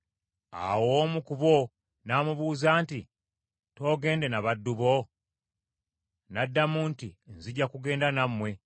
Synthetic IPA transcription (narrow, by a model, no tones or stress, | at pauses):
a̰woːmukuβo̞ | naːmuβuːzaːnti | to̞ːɡe̞ːnde̞naβadːuβo̞ | nadːamuntḭnziɟːakuɡe̞ːndanamːwe̞